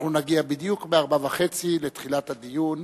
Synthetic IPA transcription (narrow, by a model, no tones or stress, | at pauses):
unaɡiabid̪jukmeaʁbavaχe̞t͡silet̪χilathad̪ijun